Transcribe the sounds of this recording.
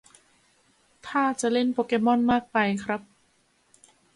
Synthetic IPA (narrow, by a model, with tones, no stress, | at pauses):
t̪ʰaː˥˩t͡ɕa˨ʔle˥˩npoː˧ke˦˥mɔ˥˩˨nmaː˥˩k̚pa˧jkʰɾa˦˥p̚